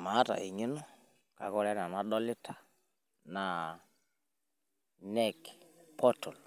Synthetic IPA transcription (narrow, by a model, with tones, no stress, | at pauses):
ma˨˦ta̰˨ʔi˨ɲɪ˦nɔ˦ | ka˨kɔ˦lɛ˦na˨na˦ɗɔ˦lɪ˦tʰḁ˨ | na˨ | nɛ˦kpʰɔ˦tɔ˨l